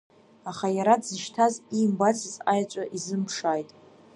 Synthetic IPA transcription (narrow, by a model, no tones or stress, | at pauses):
aχajaɾadzɨʃtʰazimbat͡sʰɨzajat͡ʃʷʼaʔizɨmpʰʂaːjtʼ